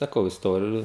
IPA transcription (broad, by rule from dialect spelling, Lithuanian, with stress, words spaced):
sɐˈkɐʊ ɪsˈtoːrʲɪjʊ